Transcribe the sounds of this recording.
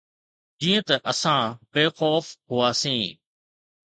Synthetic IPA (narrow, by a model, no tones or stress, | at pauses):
d͡ʑĩːə̃t̪ɐʔəsãːbeːxɔːfɦʊaːsĩː